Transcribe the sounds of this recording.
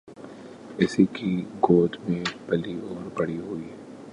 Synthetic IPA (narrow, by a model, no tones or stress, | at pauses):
ɪsikiɡoːd̪mẽbɐliɔːɾbɐɽiɦuiɛ